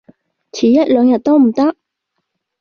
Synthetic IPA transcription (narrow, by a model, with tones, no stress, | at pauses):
t͡sʰiː˨˩jɐ˦˥t̚lœː˨˧ŋjɐ˨t̚t̪o˥wm̩˨˩t̪ɐ˥k̚